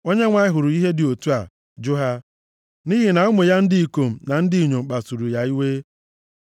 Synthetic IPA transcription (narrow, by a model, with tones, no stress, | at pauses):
o˦ɲe˦ŋʷa˦ɪ˦ɦʊ˨ɾʊ˨i˦ɦe˦dɪ˨o˨tu˦a˨ | d͡ʒʊ˦ɦa˦ | ni˦ɦi˨na˨ʊ˦mʊ˨ja˦n̩˦dɪ˦i˨ko˨m̩˨na˨n̩˦dɪ˦i˨ɲo˨ŋ͡m̩˨k͡pa˨su˨ɾu˨ja˨i˦weː˦